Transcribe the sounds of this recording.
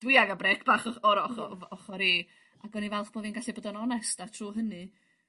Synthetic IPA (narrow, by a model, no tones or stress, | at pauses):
d̥wɪaɡabɾɛkʰb̥aχɔɔɾɔχɔɔχɔɾiː | aɡɔnivɛlˠχb̥oːvinɡaɬɛboːdɔnɔnɛstatʰruːɦənɨ